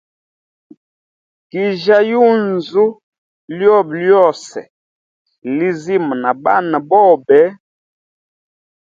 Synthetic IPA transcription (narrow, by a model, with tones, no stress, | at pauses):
ki˨ʒa˦ju˦n˨zu˦ | ljɔ˦˨bljɔ˦˨sɛ̰˨ | li˦zi˦˨m˨na˨ba˦˨nə˨bɔ˦˨bɛ˨˦